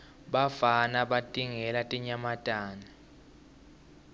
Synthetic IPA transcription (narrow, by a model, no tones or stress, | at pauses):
ɓafanaɓatʼiŋɛlatʼiɲamatʼaːni